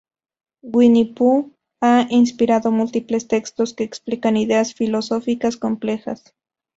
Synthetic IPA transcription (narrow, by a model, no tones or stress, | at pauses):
ɡwinipu | ainspiɾaðomult̪iplest̪ekst̪oskeːksplikaniðeasfilosofikaskomplexa̰s